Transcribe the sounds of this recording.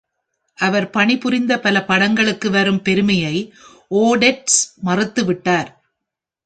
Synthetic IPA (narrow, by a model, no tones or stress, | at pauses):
ʔɐʋɐɾpɐɳɪpʊrɪnd̪ɐpɐlɐpɐɽɐŋɡɐɭɯkːɯʋɐɾɯmpɛɾɯmɐjɐɪ | ʔoːɽɛʈsmɐrɯt̪ːɯʋɪʈːaːɾ